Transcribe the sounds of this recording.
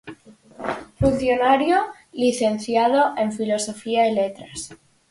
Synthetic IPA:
fun̟θjonaɾjo | liθe̞nθjaðoʔe̞ɱfilo̞sofiaelet̪ɾas

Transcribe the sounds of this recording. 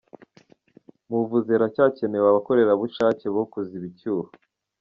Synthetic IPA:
muvuzeɾacaːce̞mewaβako̞ɾe̞ɾaβuʃaːce̞βokuziβicuːɾo

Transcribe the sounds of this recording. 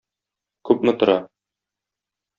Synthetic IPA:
kʉpmɘ̆t̪ŏɾɑ

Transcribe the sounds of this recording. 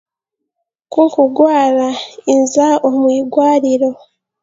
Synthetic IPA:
kuŋkuɡwaːɾainzaomwiːɡwaːɾiɾo̞

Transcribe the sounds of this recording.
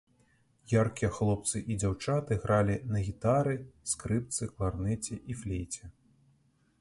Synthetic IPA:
jarkʲijɐxlˠɔp̚t̪sɨʔid͡zʲawt͡ʂat̪ɨɣɾʔalʲinɐɣʲit̪aɾɨskɾɨp̚t̪sɨklˠarnɛt͡sʲɛʔiflʲejt͡sʲɛ

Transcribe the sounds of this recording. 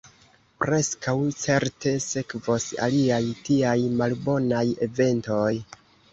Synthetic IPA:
pɾe̞skawt͡se̞ɾte̞se̞kvosa̰liajtiajmalbo̞naje̞ve̞nto̞j

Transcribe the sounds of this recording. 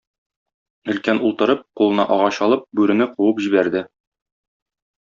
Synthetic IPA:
ɵ̆lkænulˠt̪ɤ̆ɾɤp̚qulˠɤ̆nɑʔɒʁɑɕɒlˠɤp̚bʉɾɘ̆nɘquwɤpʑibæɾd̪ɘ

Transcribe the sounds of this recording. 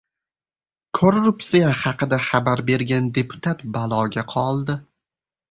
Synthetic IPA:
kʰoɾːupsijaχɑqɨd̪aχabaɾbe̞ɾɡʲand̪e̞pʰʊ̥t̪ʰat̪balˠɒɡʲaqʰɒlˠd̪ɪ

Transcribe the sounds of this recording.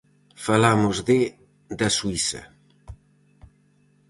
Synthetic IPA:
falamʊzðɪ | d̪ɐsuisɐ̰

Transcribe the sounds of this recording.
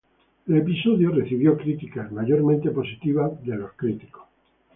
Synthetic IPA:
ele̞piso̞ðjore̞θiβjo̞kɾit̪ikazmaʝo̞ɾmẽnt̪e̞po̞sit̪iβ̞aðelo̞skɾit̪i̥ko̥s

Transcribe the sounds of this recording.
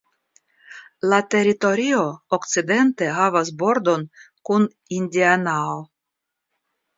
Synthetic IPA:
lat̪e̞ɾit̪o̞ɾio̞ːkt͡sid̪e̞nt̪e̞ɦavas̬bo̞ɾd̪o̞n | kun | indʲianao

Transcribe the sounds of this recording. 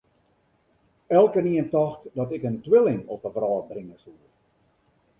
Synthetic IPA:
ɛlˠkəniəntɑxtdɔtɛkəntwɪlɪŋɔpəvrɑːt̚brɪŋəsu

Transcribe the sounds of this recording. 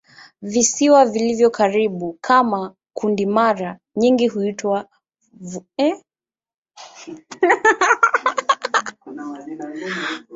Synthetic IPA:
visiwavilivjɔkʰaɾiɓukʰama | kʰundimaɾa | ɲiŋɡiɦuitwa | vɛ

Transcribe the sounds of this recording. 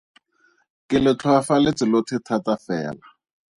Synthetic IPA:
kʼɪlɪt͡ɬʰwafalɪt͡sʼɪlotʰɪtʰatafɛ̰ːla

